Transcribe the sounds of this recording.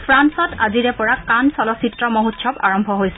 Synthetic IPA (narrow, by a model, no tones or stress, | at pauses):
pʰɹansɔtaziɹɛpɔɹakansɔlɔsitɹɔmoɦutʃʰɔpa̰ɹɔmbʱɔɦojsɛ